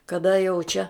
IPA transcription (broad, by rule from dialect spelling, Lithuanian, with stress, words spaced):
kɐˈdɐ jɛʊ t͡ʃʲɛ